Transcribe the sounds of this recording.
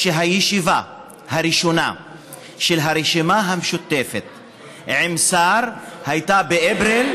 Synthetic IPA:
ʃeɦajeʃiva | haɾiʃona̰ | ʃelɦaɾeʃimaɦamʃut̪ːefet̪ | ʕemsaɾhajt̪abeʔebɾel

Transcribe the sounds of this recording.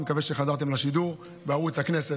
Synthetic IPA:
mekave̞ʃe̞χazaʁt̪̬e̞mlaʃid̪uʁ | beaʁut͡shaknese

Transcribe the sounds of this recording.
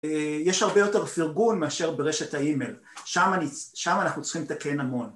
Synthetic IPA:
ejeʃhaʁbejo̞te̞ʁfiʁɡunmeaʃe̞ʁbeʁeʃe̞thaimel | ʃamaniʃamanaχnut͡sχimet̪akenamo̞n

